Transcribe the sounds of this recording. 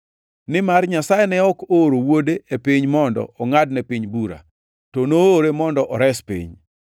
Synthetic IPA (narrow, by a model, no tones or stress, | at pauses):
nɪmarɲasajenɛɔkoɾowodeepɪɲmɔndɔ̰ɔŋadnɛpiɲbuɾa̰ | tonoːɾemɔndɔʔɔɾɛspḭɲ